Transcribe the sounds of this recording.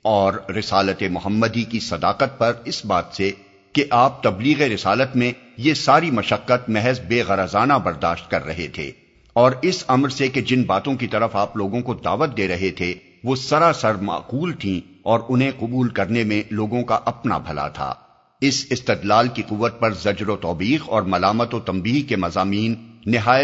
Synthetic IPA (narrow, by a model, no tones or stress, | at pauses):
ɔːɾːɪsaːlət̪emʊɦəmːəd̪ikisɐd̪aːqət̪̚pɐɾɪsbaːt̪se | keʔaːp̚t̪ɐbliːɣeɾɪsaːlət̪mẽ | jesaːɾimɐʃəqːət̪mɛɦɛzbeːɣɐɾəzaːnabɐɾd̪aːʃt̪̚kɐɾːɐ̰ɦet̪ʰḛː | ɔːɾɪsɐmɾseked͡ʒɪnbaːt̪õkit̪ɐɾəfaːploːɡõkod̪a̰ːʋət̪̚d̪eːɾɐɦet̪ʰe | ʋosɐɾasɐɾma̰ːquːlt̪ʰĩ | ɔːɾʊnɦẽqʊbuːlkɐɾnemẽloːɡõkaʔɐpna̰bʱɐla̰t̪ʰa̰ː | ɪsɪst̪ɪd̪laːlkiquʋːət̪̚pɐɾzɐd͡ʒɾot̪ɔːbiːqɔːɾmɐlaːmət̪ot̪ɐ̃mbiːɦkemɐzaːmiːnːɪɦaːjə